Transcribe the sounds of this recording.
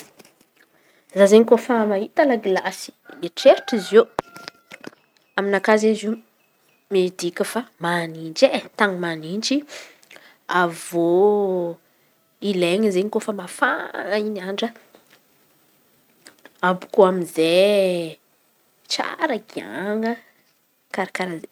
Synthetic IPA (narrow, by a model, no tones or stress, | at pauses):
zazeɲikofamaɦit̪əlaɡilasi̥eʈ͡ʂeɾiʈ͡ʂize | aminakazezi | med̪ikʲəfamanind͡ʒet̪aŋimanind͡ʒi | avo | ileŋizeɲikofəmafaŋainaɳɖ͡ʐə | abu̥koaminze | t͡ʃa̰ɾəɡia̰ŋə | kaɾakaɾaze